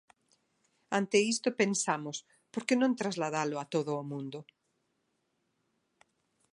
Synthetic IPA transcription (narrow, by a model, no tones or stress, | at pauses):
ant̪eist̪opensamʊs | poɾkenõŋt̪ɾazlaðalʊat̪oðʊːmũnd̪ʊ